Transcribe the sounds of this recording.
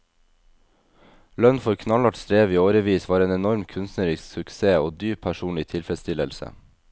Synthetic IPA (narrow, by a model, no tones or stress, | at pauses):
lœnfɔɾkʰnɑlɑʈst̪ɾeːʋiːoːɾəʋiːsʋɑːɾeːnɛnɔɾmkʰʉnst̪nəɾɪssʉkseːoːd̪yːpʰːæʃuːnɪt̪ʰɪlfɾɛd̪st̪ʰɪləlsə̰